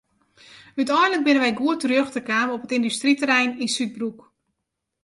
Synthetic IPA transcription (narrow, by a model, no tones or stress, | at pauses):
ytɔjnlək̚bɪnənʋɛjɡuətərjøxtəkaːməopətɪndystritəɾɛjninsyt̚bruk